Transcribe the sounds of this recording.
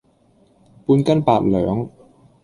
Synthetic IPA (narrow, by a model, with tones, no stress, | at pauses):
puː˧nkɐ˥npaː˧t̚lœː˨˥ŋ